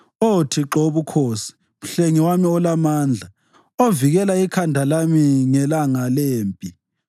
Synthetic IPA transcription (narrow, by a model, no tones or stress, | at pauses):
otʰiǁoβukʰoːsi̥ | m̩ɬeŋiwamiɔlamaːnd͡ɮʱa | oviɣɛlaikʰandʱalamiŋɛlaŋaleːmpʼi